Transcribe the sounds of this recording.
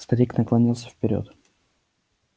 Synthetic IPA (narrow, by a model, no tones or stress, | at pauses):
st̪ɐɾʲiknɐklˠɐnʲilˠsʲə̥fpʲɪɾʲo̰t̪